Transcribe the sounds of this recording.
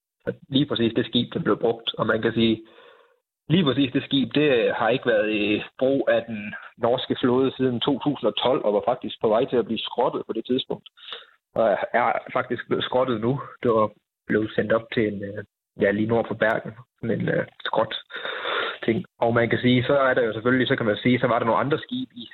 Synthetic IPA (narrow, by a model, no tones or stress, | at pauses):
sɒ̽liːpʰʁɛsḭːsd̥e̝sɡ̥ḭːb̥d̥emb̥le̝ʊb̥ʁɔ̽ɡ̥̚d̥ɒ̽mænkʰæsiː | liːpʰʁɛs̬ḭːsd̥e̝sɡ̥ḭːb̥̚d̥e̝hɑ̈e̝ɡ̥əʋæɐðˠib̥ʁo̰ːæd̥ennɒːsɡ̥əfloːð̞ˠsið̞ˠn̩t͡sʰo̝̰ːt͡sʰṵːsn̩ɒ̽t͡sʰɒ̽l̰ɒ̽ʋɑ̈fɑ̈ɡ̥̚d̥isɡ̥̚pʰɒ̽ʋɑ̈ɪ̰t͡sʰe̝læb̥liːsɡ̥ʁɒ̽d̥ð̩ˠpʰɒ̽d̥e̝t͡sʰið̞ˠsb̥ɔ̽ŋ̰d̥ | ʔɒ̽æɐfɑ̈ɡ̥̚d̥isɡ̥ble̝ð̩ˠsɡ̥ʁɒ̽d̥ð̩ˠnud̥e | b̥le̝ð̩ˠsen̰d̥ɒ̽b̥̚t͡sʰe̝en | jæliːno̝ɐ̰pʰɒ̽b̥æɐ̰ɡ̥n̩sɒ̽ne̝nøsɡ̥ʁɒ̽d̥ | t͡sʰe̝ŋ̰ɒʊmænkʰæsiːsɒ̽æɐɾ̥ɑ̈jo̝seføllisɒ̽kʰæmænsiːsɒ̽ʋɑ̈ɾɑno̝ːnɑ̈nd̥ʁɐsɡ̥ḭːb̥i